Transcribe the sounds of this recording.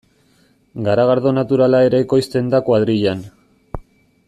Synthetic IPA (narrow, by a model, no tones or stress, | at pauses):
ɡaɾaɣaɾðo̞nat̪uɾalae̞ɾeekojst̪e̞nd̪akwaðɾiʎan